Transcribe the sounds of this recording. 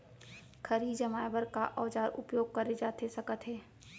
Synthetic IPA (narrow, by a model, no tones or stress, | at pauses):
kʰəɾid͡ʒəmaːjbəɾkaʔɔːd͡ʒaːɾʔʊ̰pjoːɡ̚kɐɾed͡ʒaːt̪esɐkət̪ɦɛː